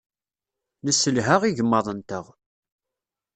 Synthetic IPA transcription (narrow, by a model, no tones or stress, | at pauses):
nəsːəlɦaʁiʝəmːɑðˤənt̪əʁ